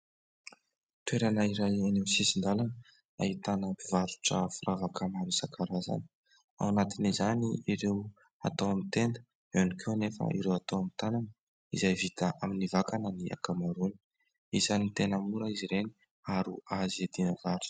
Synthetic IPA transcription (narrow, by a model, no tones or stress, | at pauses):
t̪weɾanəiɾajanesisind̪alanə | a̰ɦit̪anəpivaɾu̥ʈ͡ʂə̰furʔavakamaɾusakʰaɾaza̰ni̥ | a̰wanat̪inizaniiɾew | a̰t̪awamint̪end̪ə | enikʰewnefə̰ḭɾewat̪awamit̪anan | ḭzajvit̪aʔaminivakanəniʔa̰kamaɾuni̥ | izanit̪enəmuɾəiziɾeni | aɾuaziad̪inəvaɾu̥